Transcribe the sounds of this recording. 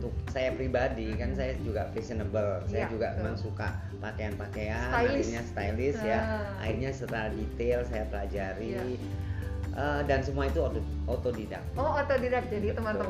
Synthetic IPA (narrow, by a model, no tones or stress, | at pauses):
t̪ʊk̚sajapɾibadikansajad͡ʒuɡapɾisənəbəlsajad͡ʒuɡamemaŋsuka̰ | pakeanpakeanaiɲast̪ajlɪsjaa̰irɲasət̪aɾadit̪elsajapəlad͡ʒaɾi | ʔədansəmuait̪uot̪ | ot̪odida̰k̚oot̪odidak̚d͡ʒadit̪əmənə